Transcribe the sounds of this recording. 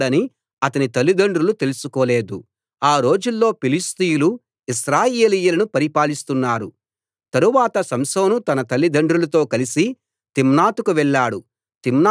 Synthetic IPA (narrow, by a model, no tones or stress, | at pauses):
ɽɐni | ɐt̪ɐnit̪ɐlːid̪ɐɳɖɾulut̪e̞lusukoːleːd̪ṵ | aːɾo̞ːd͡ʒulːo̞ːpilist̪ijulu | isɾaːjeːlijulɐnupɐɾipaːlist̪unːaːɾu | t̪ɐɾuʋaːt̪ɐsɐmsɐwnut̪ɐnɐt̪ɐlːid̪ɐɳɖɾulɐt̪o̞ːkɐlisi | t̪imnaːt̪ukuʋɛɭːaːɽu | t̪imn